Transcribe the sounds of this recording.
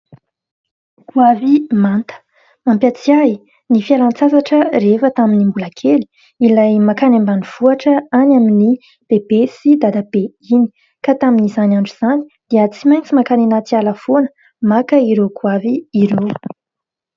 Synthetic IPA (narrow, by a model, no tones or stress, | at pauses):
kʰuavimant̪ə̥ | ampjat͡siai | nifialant͡sazaʈ͡ʂərefət̪aminimbulakʰeli̥ | ilajmakanambaniv̥uaʈ͡ʂəanamini | b̥ebesid̪ad̪abe | ini̥ | kat̪aminizanaɳɖ͡ʐuz̥ani̥d̪̥eət͡simajnt͡simakanenat͡sialafonə̥ | makəiɾokʰuaviiɾo